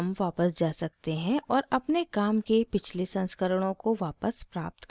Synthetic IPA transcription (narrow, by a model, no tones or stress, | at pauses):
mʋaːpəsd͡ʒaːsɐk̚t̪eɦɛ̃ʔɔːɾɐpnekaːmkepɪt͡ʃʰlesɐ̃nskəɾəɽ̃õkoʋaːpəspɾaːp̚t̪k